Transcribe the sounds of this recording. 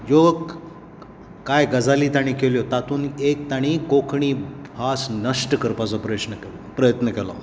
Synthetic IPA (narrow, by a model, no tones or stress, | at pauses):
jo | kajɡəd͡zaliːt̪aɽ̃iːkeljot̪at̪uːnek̚t̪aɽ̃ikokʰɳ̃iːbʱasnəʂʈəkəɾpat͡sɔpɾəjʂnək | pɾəjət̪nəkɛlɔ̰